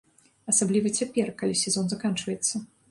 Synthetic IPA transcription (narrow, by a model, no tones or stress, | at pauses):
ɐsablʲivɐt͡sʲapʲɛrkalʲisʲɛzɔnzakant͡ʂvɐjɛt̪sːɐ